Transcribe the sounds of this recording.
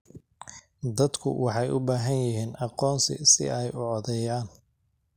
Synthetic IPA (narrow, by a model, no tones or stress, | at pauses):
d̪ɐd̪kʰʊ̰wʔɑħɑjʔʊbaːɦɐnjɪɦiːnʔɑqɔːnsɪ̰sɪ̰ɛjʊʕɔðɛjaːn